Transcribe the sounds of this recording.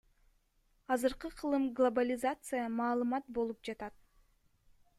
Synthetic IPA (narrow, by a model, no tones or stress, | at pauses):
ɑzɯɾqɯqʰɯlˠɯmɡlˠobalʲɪzat̪sɨjəmɑːlˠɯmɑt̪̚bo̞lˠup̚d͡ʒɑt̪ɑt̪̚